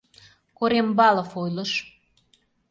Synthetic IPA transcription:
koɾembɑlə̆fojlə̆ʃ

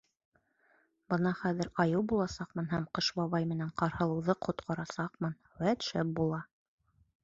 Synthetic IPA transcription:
bɤnɑχæðɘ̆ɾɑjɤwbulˠɑsɑqmɤnɦæmqɤʃbɑβɑjmɘ̆næɴqɑɾhɤ̆lˠɤ̆wðɤqʰŏt̪qʰɑ̆ɾɑsɑqmɤn | wæt̪ʃæp̚bulˠɑ

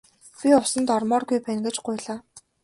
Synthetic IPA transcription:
pʲiʊwsə̆nt̪ɔrmɔːrɡujpænɡɘ̆t͡ɕɢʊjɮaː

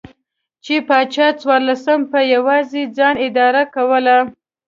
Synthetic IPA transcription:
t͡ʃepɑt͡ʃɑt͡swɑɾlasəmpəjawɑzed͡zɑnɪd̪ɑɾakawəla

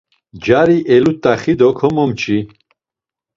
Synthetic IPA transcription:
d͡ʒaɾiʔɛlut̪ʼːaχid̪ɔkʰɔmɔmt͡ʃʰʼi

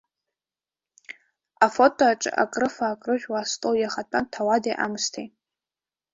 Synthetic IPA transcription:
afo̞tʼoaʈ͡ʂʼɨ̰ʔa̰kʼrɨfaːkʼrɨʒᶣwastʼowjaχatʼantʰawadeʔa̰mstʰejtʼ

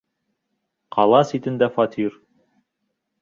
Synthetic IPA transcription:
qʰɑlˠɑsit̪ɘ̆nd̪æfɑt̪ʰiɾ

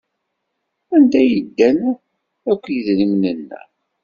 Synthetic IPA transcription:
ænd̪æjəd̪ːæn | ækʷːjəðnimnənːæ̰

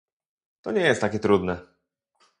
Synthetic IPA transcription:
t̪ɔɲɛjɛst̪ːakʲɛt̪ɾud̪nɛ

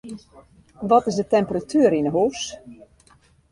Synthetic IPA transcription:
ʋɔtɪs̬dətɛmpəratʰyəɾinəɦuːs

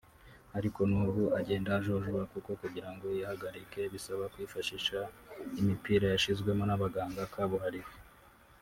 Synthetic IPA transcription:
aɾiko̞nuːɡuʔaɟe̞ːndaʒo̞ʒuβakuko̞kuɟiɾaŋɡo̞jahaɡaɾike̞βisaβakwiːfaʃiʃaimipiːɾajaʃizɡwe̞mo̞naβaɡaːŋɡakʰaβuɦaɾiwe

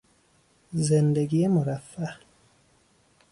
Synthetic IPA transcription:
zend̪eɡijemoɾæfːæ

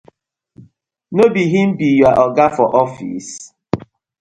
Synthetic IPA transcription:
nobiɦim̩bijuaʔɔɡafɔʔɔfḭs

